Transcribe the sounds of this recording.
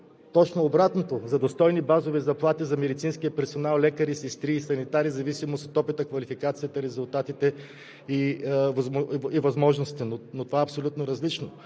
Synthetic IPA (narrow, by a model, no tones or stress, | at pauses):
t̪ɔt͡ʃnoːbɾat̪not̪ozɐd̪ost̪ɔjnibazovizɐplˠat̪izɐmɛd̪it̪sinskiəpɛɾsonalˠlɛkəɾisist̪ɾiːsɐnit̪aɾizɐvisimost̪ot̪ɔpit̪əkvɐlifikat̪siət̪əɾɛzʊlˠt̪at̪it̪ɛ | ivivɐzmɔʒnost̪it̪ɛnonot̪ovaɛɐpsolʲut̪noɾɐzlit͡ʃno